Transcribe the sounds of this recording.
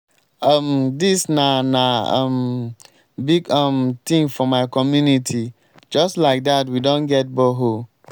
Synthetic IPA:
ʌmdisnanaʌ̰m | biɡʌmt̪ĩŋfɔmaɪkɔmjunitʰi | d͡ʒʌstlaɪk̚datwidõnɡɛt̚bɔɦo

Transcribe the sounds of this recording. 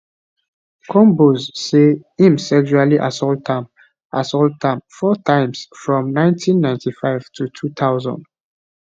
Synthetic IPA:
kʰɔ̃mbozseĩmsɛkʃualiʔasɔltãm | ʔasɔltãmfɔtʰãɪ̃msfɹɔ̃mnãɪ̃ntʰĩnːãɪ̃ntifaɪv̥tʰutʰut̪ʰaʊzɔ̰̃nd̥

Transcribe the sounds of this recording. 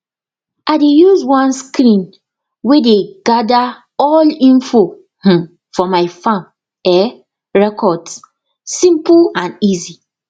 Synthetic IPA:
aɪdejuzwɔ̃nskɾĩn | wedeɡada | ɔlĩnfo | h̩ | fɔmaɪfãm | ɛ | ɹɛkʰɔds | sĩmplãnizi

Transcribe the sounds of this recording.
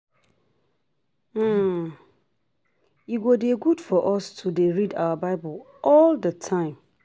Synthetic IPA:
iɡodeɡudfɔʔɔstʰudeɹida̰wəbaɪbʊl | ʔɔldətʰãɪ̃m

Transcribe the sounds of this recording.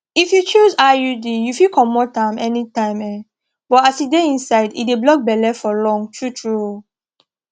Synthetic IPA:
ifjut͡ʃuzajudijufikʰɔmɔtãmɛnitãɪ̃mɛ | b̥ɔtasideĩnsaɪdḭdeblɔk̚bɛlɛfɔlɔ̃ŋtʰɹutʰɹuo

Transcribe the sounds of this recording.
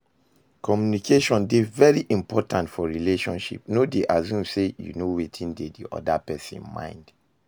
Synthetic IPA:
kɔmjunikʰeʃɔ̃ndevɛɹiʔĩmpɔtʰãntfɔɹileʃɔ̃nʃḭpnodeʔazũmsejṵnowetʰĩndedḭʔɔ̰dapɛsḭ̃nmã̰ɪ̃nd̥

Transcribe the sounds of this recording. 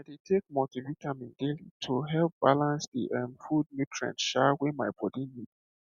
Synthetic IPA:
aɪdetʰek̚mɔtivitʰãmĩndelitʰuɦɛlp̚b̥alãnsdḭʔãmfud̚mitʰɹɛ̰̃ntʃawemaɪbɔdinid̥

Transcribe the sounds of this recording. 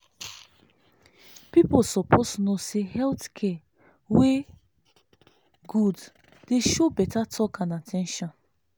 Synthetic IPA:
piposɔpʰosnosehɛltkʰɛ | we | ɡud | d̥eʃobɛtatʰɔkãnatʰɛ̃nʃɔ̃n

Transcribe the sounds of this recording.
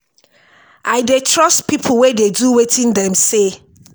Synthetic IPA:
ʔaɪdetʰɹɔstpʰipʰʊwededuwetʰĩndɛ̃mse

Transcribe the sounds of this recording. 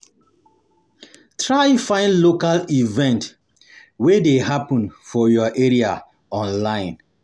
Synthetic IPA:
tʰɹaɪfãɪ̃nlokalivɛ̃nt | wedehapɔ̃nfɔjɔʔeɹia | ɔ̃nlãɪ̃n

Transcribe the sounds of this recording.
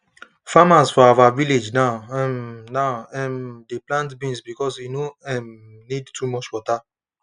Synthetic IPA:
famazfɔavaviled͡ʒnaɛ̃mnaʊɛ̃mdeplãntbĩnsbikɔsinoɛ̃m | nidtʰumɔt͡ʃwɔta

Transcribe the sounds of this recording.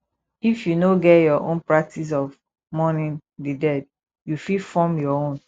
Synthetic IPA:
ifjunoɡɛjɔʔõ̰npɹak̚tʰis̬ɔv | mɔnĩn | didɛd | jufifɔmjɔõn

